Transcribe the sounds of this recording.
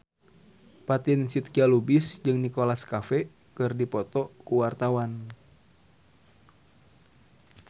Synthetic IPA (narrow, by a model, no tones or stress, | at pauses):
pat̪ɪnsit̪̚kialubɪsd͡ʒɨŋnikolaskafɛ | kɨrdipɔt̪ɔkuwart̪awan